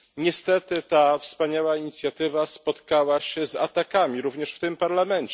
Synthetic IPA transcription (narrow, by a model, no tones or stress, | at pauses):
ɲɛst̪ɛt̪ɘt̪afspaɲawaiɲit̪sʲjat̪ɘvaspɔt̪kawaɕɛza̰t̪akamʲiɾuvɲɛʂft̪ɘmpaɾlamɛɲt͡ɕ